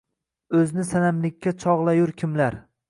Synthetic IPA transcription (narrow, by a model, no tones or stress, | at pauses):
ɵznɪsanamlɪkʲːat͡ʃʰɒʁlˠajʊɾkʲʰɪmlaɾ